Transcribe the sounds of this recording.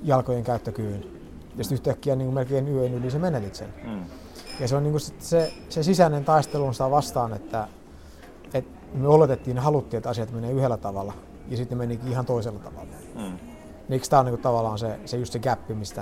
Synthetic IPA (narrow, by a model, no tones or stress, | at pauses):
jɑlkojeŋkæyt̪ːøkyːn | jɑsi̥t̪yht̪ækːiæniːŋkumelkeːnyønylisemenelit̪sḛn | jɑseolniːŋkusit̪ːsesesisænent̪ɑist̪elunsi̥t̪æʋɑst̪ɑːnet̪ːæ | et̪ | myøolet̪et̪ːiːnehɑlut̪ːiːet̪ɑsiɑt̪meneːyhelːæt̪ɑʋɑlːɑ | jɑsit̪nemenikiːihɑnt̪oiselːɑt̪ɑ̰ʋɑ̰lːˑɑ | neikst̪æoniːŋkut̪ɑʋɑlːˑɑːnsesejust̪seɡæpːimist̪æ